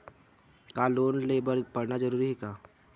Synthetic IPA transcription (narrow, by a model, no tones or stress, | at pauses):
kaːloːnleːbəɾpɐɽnad͡ʒəɾuːɾiɦɛːkaː